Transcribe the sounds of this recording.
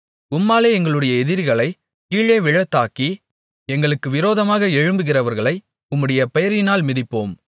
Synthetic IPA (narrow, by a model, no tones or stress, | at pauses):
ʊmːaːleːɛŋɡɐɭɯɽɐjɐɛðɪɾɣɐɭɐɪ | kiːɭeːʋɪɻɐt̪ːaːki | ɛŋɡɐɭɯkːɯʋɪɾoːðɐmaːɣɐɛɻɯmbɯɣɪrɐʋɐɾɣɐɭɐɪ | ʊmːɯɽɐjɐpɛjɐɾɪnaːlmɪðɪpːoːm